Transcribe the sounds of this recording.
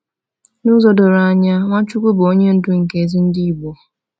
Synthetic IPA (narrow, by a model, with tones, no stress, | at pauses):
nʊ˦zɔ˦dʊ˨ɾa˨a˨ɲa˦ŋʷa˦t͡ʃu˦kʷʊ˦bo˦ɲe˦n̩˦dʊ˦ŋ̩˨ke˦e˨zi˦n̩˦di˦i˦˨bɔ˨